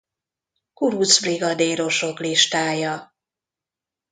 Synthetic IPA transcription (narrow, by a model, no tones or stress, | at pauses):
kuɾud̪zbriɡɒd̪eːɾo̞ʃo̞kliʃt̪aːjɒ